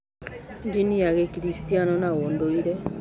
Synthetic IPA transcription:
ŋɡinijaɣɛkiɾistianɔnaondoiɾɛ

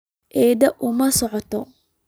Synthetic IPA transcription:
ʔɛːd̪ɐʔʊmɐsɔʕɔt̪ʰɔ

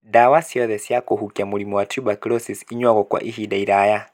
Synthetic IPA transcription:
dawasiɔðɛsijakuɦukiamulimuwatʰubakilɔsisiɲwaɣɔkwa̰ʔiɦidaiɾaja

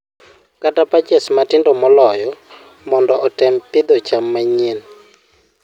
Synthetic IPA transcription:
katapat͡ʃɛsmatɪndɔmɔlɔjɔ | mɔndɔʔɔtɛmpɪd̪ɔt͡ʃamːaɲen

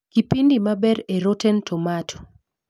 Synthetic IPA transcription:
kipindimabɛɾeɾotɛntʰɔmatʰo̥

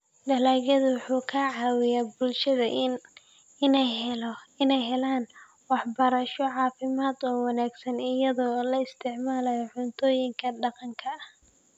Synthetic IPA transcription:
ɖɐlaːɣɐðʊwʊħuːkʰaʕɑːwɪjaːbʊlʃɐðɐ | ɪnɛjɦhɛlɪnɛjɦɛlaːn | wɑħbɐɾɐʃɔʕɑːfɪmaːd̪ɔːwɑnaːɡsɐnɪjɐðɔːlɐɪst̪ʰɪʕmaːlɐjɔʕʊnt̪ʰɔːjɪŋkʰɐɖɑqɑŋkʰɐh

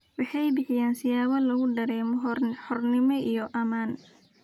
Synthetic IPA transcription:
wɑħɑjbɪħɪjaːnsɪjaːβɐlɐɣʊɖɐɾɛːmɔħɔrnɪmɔʔijɔʔɐmaːn

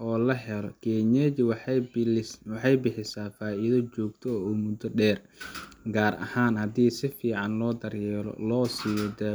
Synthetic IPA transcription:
ʔɔːlɐɦɛlɔkɛːɲɛd͡ʒw | wɑħɑjbɪħɪsaːfaːiːðɐt͡ʃɔːɡt̪ʰɔuːmʊd̪ɔɖɛːr | ɡaːrʔɐ̰haːnhɐd̪iːsɪfiːʕɑnlɔːd̪ɐrjɛːɾɔ̰lɔːsiːjɔd̪ɛ

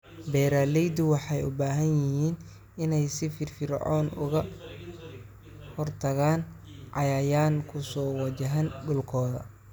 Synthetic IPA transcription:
bɛːɾaːlɛjd̪ʊwɑħɑjʊ̰baːɦɐnjɪɦiːn | ɪnɛjsɪfɪrfɪrʕɔ̰ːnʔʊ̰ɣɐ | hɔrt̪ʰɐɣaːnʕɑjaːjaːnkʰʊsɔːwɑt͡ʃɐɦɐnɖʊlkʰɔːðɐ̰

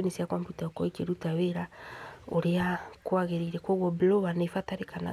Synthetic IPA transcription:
nisiakambitaɔkɔekeɾutaweɾaoɾeakwaɣeɾiɾɛkwoɣwɔblɔβanefataɾekana̰

